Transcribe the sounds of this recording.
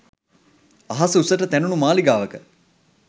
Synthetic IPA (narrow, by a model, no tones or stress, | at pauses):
ɐɦɐsəusəʈət̪ænunumaːliɡaːʋəkə